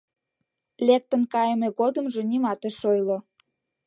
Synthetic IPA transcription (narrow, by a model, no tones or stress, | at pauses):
lek̚t̪ənkɑjəmeɣod̪əmʒe̽nimɑt̪eʃojlo